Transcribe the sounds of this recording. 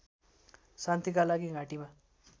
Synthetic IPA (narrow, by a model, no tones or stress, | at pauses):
sant̪ikalaɡiɡʱaʈima